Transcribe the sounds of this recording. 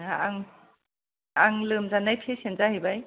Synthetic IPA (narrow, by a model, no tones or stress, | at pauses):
aŋ | aŋlɯmzanajpʰesenzahijbaj